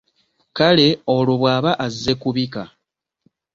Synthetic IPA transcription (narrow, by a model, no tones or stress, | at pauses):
kale̞o̞loβwaːβaʔazːekuβika